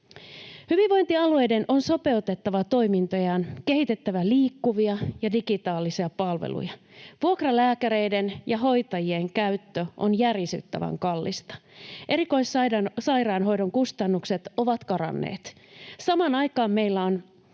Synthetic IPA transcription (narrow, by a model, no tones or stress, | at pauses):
hyʋiʋʋo̞jnt̪iɑlue̞jde̞nʔo̞nso̞pe̞ut̪e̞t̪ːɑʋɑt̪o̞imint̪o̞jɑnke̞hit̪e̞t̪ːæʋæliːkːuʋiɑjɑdiɡit̪ɑːlisiɑpɑlʋḛlṵjɑ | ʋuokrɑlæːkæɾe̞jdenjɑɦo̞jt̪ɑjie̞ŋkæyt̪ːøʔonjærjisy̰t̪ːæ̰ʋæ̰ŋkɑlːḭst̪ɑ̥ʔe̞ɾiko̞isɑsɑjrɑːnɦo̞jdo̞ŋkust̪ɑnːukse̞t̪o̞ʋɑt̪kɑɾɑ̰nːḛːt̪ | sɑmɑnɑjkɑːmme̞jlːæon